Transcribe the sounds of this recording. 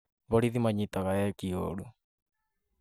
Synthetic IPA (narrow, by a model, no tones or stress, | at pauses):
βɔɾiðimaɲit̪aɣajɛkio̰ɾu